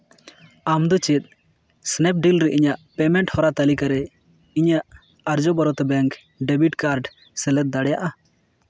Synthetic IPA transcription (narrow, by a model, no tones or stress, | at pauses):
amd̪ɔt͡ʃit̪̚ˀ | snɛp̚ɖilɾɛʔiɲaʔpɛmɛɳʈhɔɾat̪alikaɾɛ | iɲaʔ | aɾd͡ʒɔbaɾɔt̪ɛbɛŋk | ɖɛbiʈkaɾɖ | sɛlɛt̪̚d̪aɽɛjaʔa